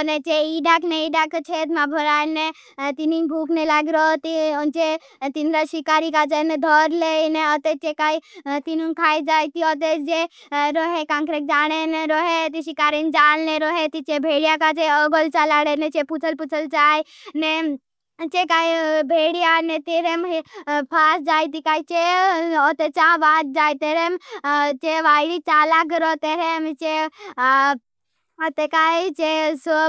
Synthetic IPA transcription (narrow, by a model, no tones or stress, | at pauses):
net͡ʃeiɖakneiɖakt͡ʃʰeːt̪mãbʱɔɾaːjne | t̪ininbʱuːknelaɡɾot̪it͡ʃe | t̪inɾaʃikaːɾikat͡ʃened̪ʱɔːɾleneɔt̪et͡ʃekait̪inunkʰaːjd͡ʒajt̪iɔt̪̬ed͡ʒe | ɾoɦekãŋkɾek̚d͡ʒaːɽ̃eneɾoɦet̪iʃikaːɾind͡ʒaːnleɾoɦet̪it͡ʃebʱeːɽijakat͡ʃeəɡolt͡ʃalaɽenet͡ʃeput͡ʃʰəlput͡ʃʰəlt͡ʃaːine | t͡ʃekaːjbʱeːɽijanet̪iɾemɦpʰaːsd͡ʒaːjt̪ikait͡ʃeot̪et͡ʃãbaːt̪̚d͡ʒaːjt̪eɾemt͡ʃeʋaːjɽit͡ʃaːlaɡəɾoːt̪eɾemt͡ʃe | ot̪ekaːit͡ʃeso